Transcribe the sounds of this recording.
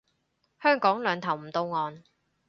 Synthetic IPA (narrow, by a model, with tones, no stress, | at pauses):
hœː˥ŋkɔː˨˥ŋlœː˨˧ŋt̪ʰɐ˨˩wm̩˨˩t̪o˧wŋɔː˨˧n